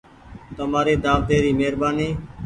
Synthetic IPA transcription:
t̪əmaːɾeːd̪aːʋd̪eːɾiːmeːɾbaːniː

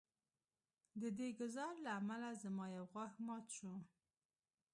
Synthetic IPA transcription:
d̪əd̪eɡʊzɑɾlaːmalazəmɑjawɣwaxmɑt̪ʃu

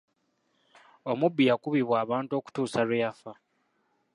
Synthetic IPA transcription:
o̞mubːijakuβiβwaːβaːntuo̞ku̥tuːsalwejafa

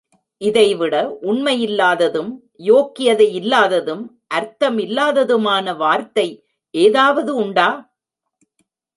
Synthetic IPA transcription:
ʔɪðɐɪʋɪɽɐʔʊɳmɐjɪlːaːðɐðɯm | joːkːɪjɐðɐɪɪlːaːðɐðɯm | ʔɐɾt̪ɐmɪlːaːðɐðɯmaːnɐʋaːɾt̪ɐɪ | ʔeːðaːʋɐðɯʊɳɖaː

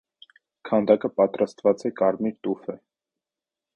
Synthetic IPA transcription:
kʰɑnd̪ɑkəpɑt̪ɾɑst̪vɑt͡sɛkɑɾmiɾt̪ufə

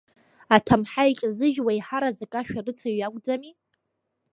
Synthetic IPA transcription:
atʰamħaikʲʼzɨʒwaiħaɾazakʼaʃᶣarɨt͡sʰaɥaɡʷʼd͡zami

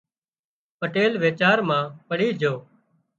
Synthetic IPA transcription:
pəʈeːlʋeːt͡ʃaːɾmãːpəɽiːd͡ʒʱoː

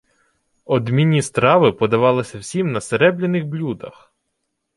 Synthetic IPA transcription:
ɔd̪mʲinʲːist̪ɾɑʋɪpɔd̪ɐʋɑlˠɪsʲɐwsʲimnɐseɾɛblʲenɪxblʲud̪ɐ̰x

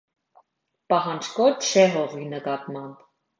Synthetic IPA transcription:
pɑɦɑnd͡ʒkɔt͡ʃʰɛɦɔʁinəkɑt̪mɑmp

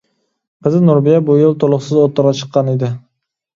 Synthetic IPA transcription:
qɪzɪnoɾbijabʊjɪlˠt̪ʰolˠʊχsɪzot̪ʰːɑɾɑt͡ʃʰə̥qːɑned̪ɪ

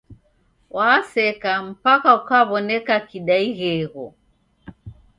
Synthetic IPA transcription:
wʔaːsɛkam̩pakaukaβɔnɛkakiɗaiɣɛɣɔ

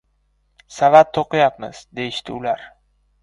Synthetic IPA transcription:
savat̪ʰːoqɨjapmɪ̰z̥d̪e̞jɪʃt̪ʰɪ̰ʊlaɾ

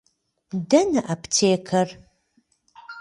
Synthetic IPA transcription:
dɐnɨʔapʰtʰeːkʰɐr

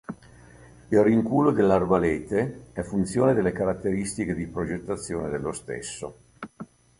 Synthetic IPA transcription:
ilriŋkuːlod̪elːarvaleːt̪eɛfːunt̪sjoːned̪elːekaɾat̪ːeɾist̪iked̪ipɾod͡ʒet̪ːat̪sːjoːned̪elːost̪ḛsːo̰

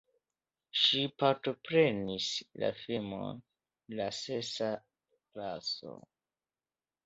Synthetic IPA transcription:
ʃipaɾto̞pɾe̞nisla̰fimo̰n | lase̞sa | klaso̰

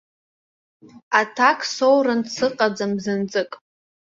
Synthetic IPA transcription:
atʰakʰsowrɨnsʰɨqʼad͡zamzɨnt͡sʼɨkʼ

